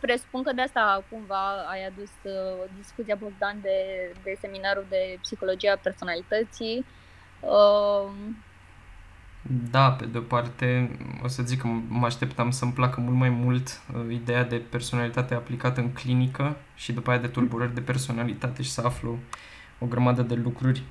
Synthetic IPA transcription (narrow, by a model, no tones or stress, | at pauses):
pɾe̞su̥punkəd̪east̪akumvaajad̪usd̪iskut̪siaposd̪and̪e̞d̪e̞se̞minaɾud̪e̞psixo̞lo̞d͡ʒijeaperso̞nalit̪ət̪si | ə | d̪ape̞d̪eo̞part̪e̞o̞̰səzikːəmaʃt̪e̞pt̪amsəmplakəmult̪majmult̪id̪e̞jad̪e̞pe̞rso̞nalit̪at̪eaplikat̪əɨŋklinikə | ʃid̪upaejad̪e̞t̪urbuɾərʲd̪e̞pe̞rso̞nalit̪at̪e̞ʃi̥səaflə | o̞ɡɾəmad̪əd̪e̞lukɾurʲ